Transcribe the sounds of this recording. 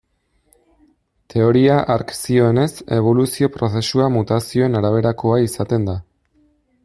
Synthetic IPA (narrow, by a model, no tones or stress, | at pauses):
t̪ʰe̞o̞ɾiaʔaɾksio̞e̞ne̞se̞β̞o̞lusio̞pɾo̞se̞suamut̪asio̞e̞naɾaβ̞e̞ɾako̞aisat̪e̞nd̪a